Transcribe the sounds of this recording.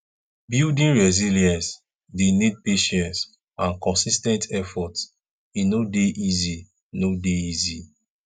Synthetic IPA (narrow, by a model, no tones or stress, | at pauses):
bildĩnɹɛziliãns | denid̚peʃɛ̃ns | ãnkɔ̃nsistɛ̃ntɛfɔts | inodeʔizi | nodeizi